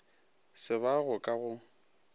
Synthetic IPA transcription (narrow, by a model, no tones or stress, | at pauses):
sɪβaɣʊkʼaɣʊ